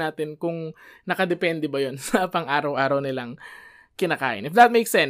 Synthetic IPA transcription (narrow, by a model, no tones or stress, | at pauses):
aːt̪ɪnkʊŋnɐkɐd̪ɛpɛnd̪ɛbɐjonsɐpɐŋʔaːɾɐwʔaːɾɐwnɪlaŋ | kɪnaːka̰ːʔɪ̰nɪfd̪ɐt̪̚mejksɛn